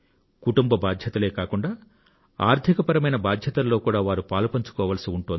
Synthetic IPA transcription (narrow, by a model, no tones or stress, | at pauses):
kuʈumbɐbaːd̪ʱjɐt̪ɐle̞ːkaːkuɳɖaː | aːɾd̪ʰʱikɐpɐɾɐmɐjnɐbaːd̪ʱjɐt̪ɐlːo̞ːkuːɽaːʋaːɾupaːlupɐɲt͡ʃu̥kɔːʋɐlɐsiuɳʈuond̪